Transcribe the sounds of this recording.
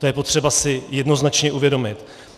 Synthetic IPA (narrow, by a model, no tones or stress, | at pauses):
t̪ojɛpo̞t̪r̝̥ɛbasɪjɛdno̞znat͡ʃɲɛʔuvjɛdo̞mɪt̪